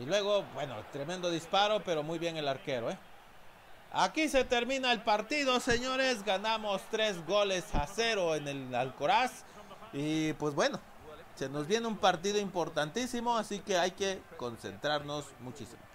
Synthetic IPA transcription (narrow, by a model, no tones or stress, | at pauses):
ilwe̞ɣ̞o̞bwe̞no̰t̪ɾeme̞nd̪o̞ðispaɾo̞pe̞ɾo̞mujβje̞ŋe̞laɾke̞ɾo̞e | a̰kise̞t̪e̞ɾmĩnaelpaɾt̪iðo̞se̞ɲo̞ɾe̞zɡanamo̞st̪ɾe̞zɣo̞lesase̞ɾo̞enelalko̞ɾas | ipwe̞zbwe̞no̞ | se̞no̞zβje̞neumpaɾt̪iðoimpo̞ɾt̪ant̪isimo̞asike̞ajke̞ko̞nse̞̰nt̪ɾaɾno̞smut͡ʃisimo